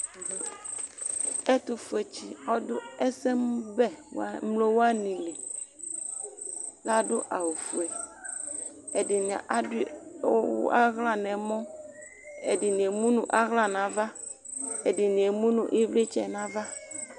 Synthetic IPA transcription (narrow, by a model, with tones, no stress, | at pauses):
e˦t̪o˨fu˨e˨t͡ʃi˨ɔ˦do˦e˦sɛ˦m˦bɛ˦wmlo˦wo˦a˦nĩ˨le˨ | la˦ɖo˦ʔa˨wo˨fu˨ɛ˨ | e˨di˨n˨a̰˨ʔd̰ | a˦ɣla˦nɛ̃˨mɔ̃˦ | e˨di˨nĩ˨e˨mũ˦nũ˨ʔa˦ɣla˦nã˨va˦ | e˨di˨nĩ˨e˨mũ˦nṵ̃˨ʔi˦vle˦t͡ʃɛ˦nã˦va˦